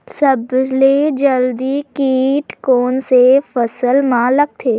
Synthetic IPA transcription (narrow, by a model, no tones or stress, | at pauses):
sɐbd͡ʒled͡ʒəld̪ikiːʈkoːnsefɐsəlmãləɡ̚t̪ʰeː